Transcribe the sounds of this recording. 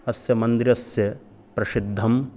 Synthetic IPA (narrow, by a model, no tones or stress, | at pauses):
ɐsjɐmɐnd̪iɾɐsjɐ | pɾɐʃid̪ʱːɐm